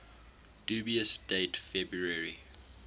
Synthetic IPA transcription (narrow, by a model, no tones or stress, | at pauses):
d̥uːbiəsd̥eɪtfɛbɹuəɹi